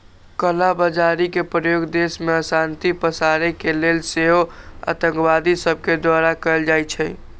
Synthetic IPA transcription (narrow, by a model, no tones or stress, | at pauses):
kəlabəd͡ʒaɾikepɾəjoɡd̪esmeəsant̪ipəsaɾekelelseɦo | a̰t̪ə̃ŋkʋad̪isəb̚ked̪waɾakəɪld͡ʒajt͡ʃʰɛ